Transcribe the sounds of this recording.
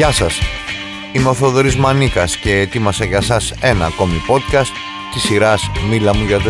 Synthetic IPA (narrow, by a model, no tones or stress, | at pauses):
ɐsɐs | imoθo̞ðoɾizmɐnikɐsce̞et̪imɐsɐʝɐsɐse̞nɐːko̞mipo̞t̪̚kɐst̪ | t̪isiɾɐsmilɐmuʝɐðe